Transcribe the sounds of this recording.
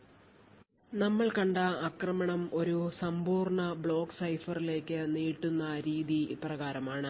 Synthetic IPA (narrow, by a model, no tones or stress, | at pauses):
nɐmːɐɭkɐɳɖɐːkrɐmɐɳɐmo̞ɾusɐmbuːrɳɐbɭo̞ːksɐjfɐrile̞ːkːɨniːʈːunːɐɾiːðiːprɐɣaːɾɐmaːɳɨ